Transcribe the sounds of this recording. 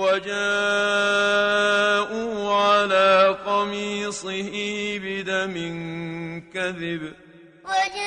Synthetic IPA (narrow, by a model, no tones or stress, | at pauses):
wad͡ʒaː | ʔuːʕalaːqɑmiːsˤɨhɪbɪd̪amɪnkaðɪb